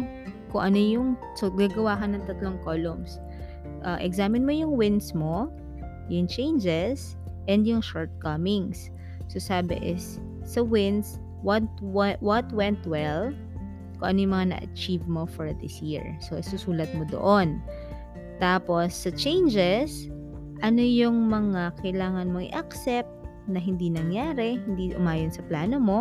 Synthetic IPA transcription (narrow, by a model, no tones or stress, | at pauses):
kʊŋʔɐnojʊŋ | soɡaːɡɐwaːkɐnːɐŋt̪ɐt̪loŋkoːlɔms | ʔɐʔɛɡsaːmɪnmojʊŋwɪnsmo | jʊŋt͡ʃejnd͡ʒɛs | ʔɛnd̪jʊŋʃoɹt̪̚kɐmɪŋsː | osaːbɪ̰ʔɪsː | ɐwɪns | wɐt̪wwɐt̪wɛnt̪wɛl | kʊŋʔɐnojʊŋmɐŋanɐ̰ʔɐ̰t͡ʃivmo̞foɹðɪ̰sjiɹsosusuːlɐt̪̚mod̪o̰ʔon | t̪aːpo̞sːɐt͡ʃejnd͡ʒɛs | ʔɐno̞jʊŋmɐŋakɐjlaːŋɐnmoŋɪ̰ʔɐksɛp̚t̪ | nɐɦɪnd̪inɐŋjaːɾɛhɪnd̪iʔʊ̰maːjɐnsɐplaːno̞mo̞